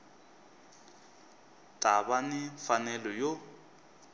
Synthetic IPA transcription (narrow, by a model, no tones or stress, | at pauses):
tʼaβanɪfanɛlɔjo